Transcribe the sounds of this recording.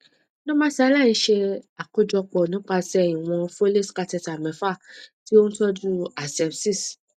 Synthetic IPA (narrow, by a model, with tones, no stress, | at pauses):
nõ˦mã˦sla˦˨nĩ˧˦ʃe˧a˨ko˨˦d͡ʒɔ˧k͡pɔ˨nĩ˨˦k͡pa˧sɛ˧i˨w̃ɔ̃˧fo˦le˦˨ska˧tɛ˧˨ta˨mɛ̃˨˦fa˦˨ti˦o˦ñ̩˦tɔ˦d͡ʒu˦a˨sɛ˧˦bsi˦˨s